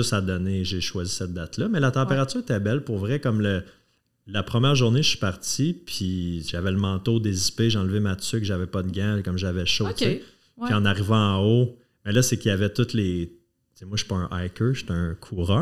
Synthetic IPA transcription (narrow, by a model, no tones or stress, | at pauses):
sad̪ɔneʒeʃwazisɛt̪̚d̪at̪lʌmɛlat̪ɑ̃peʁat͡syːʁet̪ɛbɛlpʊʁvʁɛkɔmlə | lapχəmjæːʁʒuʁneʃi̥paʁt͡sipʰiʒavɛləmɑ̃ːt̪od̪ezispeʒeɑ̃lvemat͡sʏkʒavɛpʌd̪əɡɛ̃kɔmʒavɛʃot͡se | piɑ̃naʁivɑ̃ɑ̃o | mɛlʌsekjavɛt̪ʊt̪le | t͡semwaʃy̥pɔə̃ʔajkə˞ʃe̥t̪ɛə̃kʰuːʁœ